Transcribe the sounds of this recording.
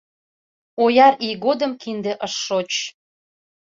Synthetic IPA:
ojɑɾiɣod̪ə̆mkind̪ĕʔəʃːot͡ɕ

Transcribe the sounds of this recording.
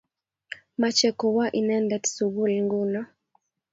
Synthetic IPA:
mat͡ʃɛkɔwaʔinɛndɛtsuɡulŋɡuna

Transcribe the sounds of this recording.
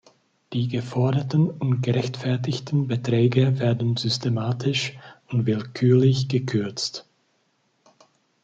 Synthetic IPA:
d̥iːɡəfɔɐdɐtnʊntɡ̥əʁɛçtfɛɐtɪçtn̩bətʁ̥ɛːɡəveːɐdn̩zʏstemaːtʰɪʃʊntvɪlkʰyːɐlɪçɡ̥əkʰʏɐt͡st

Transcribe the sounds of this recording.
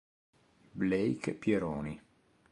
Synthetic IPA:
blejkpjeɾɔːni

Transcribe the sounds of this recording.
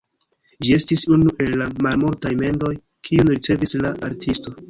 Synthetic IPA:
d͡ʒie̞stisunuʔe̞lːamalmultajme̞ndo̞j | kʰiunɾit͡se̞vislaʔaɾtʰisto̞

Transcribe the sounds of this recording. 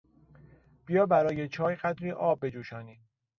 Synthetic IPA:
b̥ijɒːbæɾɒːjet͡ʃʰɒːjɢæd̪ɾiːʔɒːb̚ːe̞d͡ʒuːʃɒːniː

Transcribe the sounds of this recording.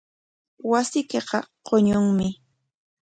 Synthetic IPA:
wasɪkeqɑqoɲʊŋmɪ

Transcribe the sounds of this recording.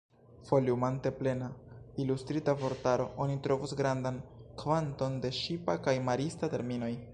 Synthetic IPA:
fo̞liumante̞ple̞nailustɾitavo̞ɾtaɾo̞ʔonitɾo̞vusɡɾandankvanto̞nde̞ʃipakajmaɾistate̞ɾmino̞j

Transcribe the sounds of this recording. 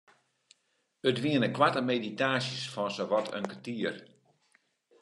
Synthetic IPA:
ətʋiənəkwatəmeditaːsjəsfɔnsəʋɔtʰə̰nkətiər

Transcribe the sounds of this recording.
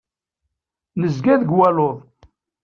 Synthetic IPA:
nəzɡæðɡwæloðˤ

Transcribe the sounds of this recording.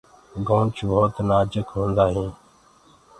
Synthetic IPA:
ɡõːɳt͡ʃboːt̪naːd͡ʒəkɦõːnd̪aːɦẽː

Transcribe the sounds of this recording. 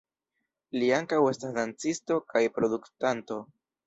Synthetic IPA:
liaŋkawe̞stasdant͡sisto̞kʰajpɾo̞duktanto̞

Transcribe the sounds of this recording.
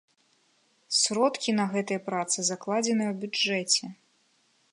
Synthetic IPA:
sɾɔt̪kʲinɐɣɛt̪ɐjɐpɾat̪sɨzɐklˠad͡zʲɛnɨjwbʲuɛt͡sʲɛ

